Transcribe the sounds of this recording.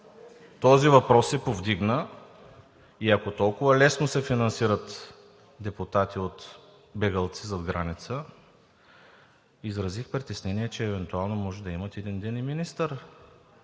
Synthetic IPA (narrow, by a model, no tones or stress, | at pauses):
t̪ɔzivɐpɾɔsɛpovd̪iɡnə | iɐkot̪ɔlˠkʊvəlɛsnosɛfinɐnsiɾət̪ | d̪ɛpʊt̪at̪iot̪ | bɛɡəlˠt̪sizɐd̪ɡɾanit̪sə | izɾɐzixpɾit̪ɛsnɛniɛt͡ʃɛːvɛnt̪ualˠnomɔʒɛd̪ɐimət̪ɛd̪ind̪ɛniminist̪əɾ